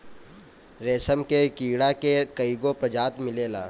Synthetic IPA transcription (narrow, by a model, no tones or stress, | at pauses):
ɾeːsəmkekiːɽakekəiɡopɾɐd͡ʒaːt̪mɪleːla̰ː